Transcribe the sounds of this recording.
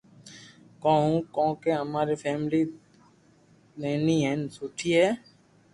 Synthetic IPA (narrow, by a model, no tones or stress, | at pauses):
kɔ̃ːũkɔ̃ːkeɦəmaːɾepʰɛːmli | neːniːɦɛːnsuːʈʰiːɦɛː